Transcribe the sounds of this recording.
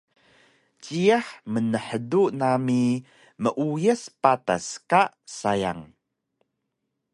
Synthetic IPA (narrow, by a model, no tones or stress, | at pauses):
t͡ʃiəħmənəħədunami | məʔujəspata̰skaʔsaja̰ŋ